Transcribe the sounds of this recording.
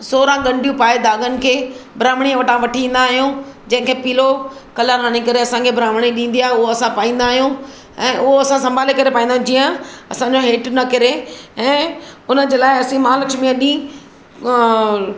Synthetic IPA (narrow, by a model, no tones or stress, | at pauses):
soːɾãɡɐ̃ɳɖʱijũpaːed̪aːɡənɪ̆kʰeːbɾaːmɽ̃iãʋɐʈãʋɐʈʰĩːn̆d̪aːɦijũːd͡ʑɐ̃ɦɪ̃kʰeːpiːlokɐlaɾaːɽ̃ikɐɾeɐsãkʰebɾaːmɽ̃iɗĩːn̆d̪iaːɦeʊɦoɐsãpaːĩːnd̪aːɦijũ | ɛ̃ːʔʊɦoɐsãsɐ̃mbʱaːlekɐɾepaːĩːnd̪aɦũd͡ʑiːə̃ɐsãɲd͡ʑoɦeːʈnɐkɐɾeɛ̃ːʊnəd͡ʑeːlaːɪɐsĩmaːləkʃmĩãɗĩː